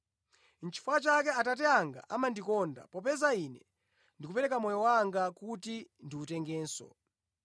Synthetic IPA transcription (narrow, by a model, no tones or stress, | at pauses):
n̩t͡ʃi̥fuat͡ʃakɛatatɛaŋɡa̰ʔamandikɔnda̰pɔpɛzaiːnɛ̰ | ndikupɛɾɛkamɔjɔwaŋɡakutindiutɛŋɡɛːnsɔ̰